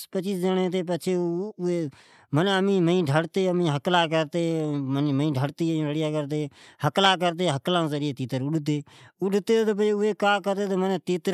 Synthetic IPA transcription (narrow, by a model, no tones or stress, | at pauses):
pət͡ʃiːsd͡ʒənẽːt̪eːp̬ət͡ʃʰeːeː | məneəmĩːməĩːɖʱəɽt̪eːəmĩːɦəklaːkəɾt̪eːmənməĩːɖʱəɽt̪ẽːɾəɽɪjaːkəɾt̪eːhəklaːk̬əɾt̪̬eːɦəklãːzəɾjeːt̪iːt̪əɾʊɗt̪eːʊɗt̪eːt̪oːp̬əʊeːkaːkəɾt̪eːt̪oːməneːt̪iːt̪ə